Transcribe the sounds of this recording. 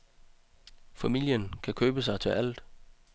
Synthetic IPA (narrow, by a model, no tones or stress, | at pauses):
fæmil̰jənkʰækʰøːb̥əsɑ̈ɪt͡sʰe̝ʔæl̰d̥